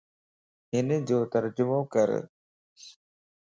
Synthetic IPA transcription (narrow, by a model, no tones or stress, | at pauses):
ɦɪnd͡ʑoːt̪əɾd͡ʑʊmoːkə̰ɾ̰